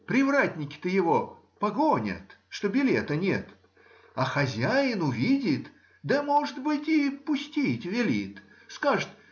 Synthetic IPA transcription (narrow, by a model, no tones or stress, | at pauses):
pɾʲɪvɾat̪ʲnʲɪkʲɪ̥t̪ɨjɪvo̞ | pɐɡonʲə̰t̪ʂt̪obʲɪlʲet̪ənʲe̞t̪ | ɐxɐzʲæjɪnʊvʲidʲɪt̪ | d̪ɐmoʐɨt̪bɨtʲɪpʊsʲtʲitʲvʲɪlʲit̪ | skaʐɨt̪